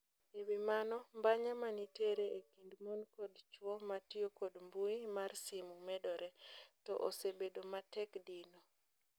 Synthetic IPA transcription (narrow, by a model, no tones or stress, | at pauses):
ewimanɔmbaɲamaniteɾeekindmonkodt͡ʃwɔmatiokodmbuimarsimumɛdɔɾʔɛtɔ̰ʔo̰sebedomatɛkdino